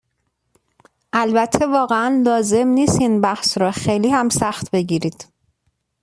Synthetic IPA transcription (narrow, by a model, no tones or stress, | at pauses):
ʔælbæt̪ʰːe̞vɒːɣeænlɒːze̞mniːst̪inbæhsɾɒːxejliːhæmsæxt̪be̞ɟiːɾiːd̪̥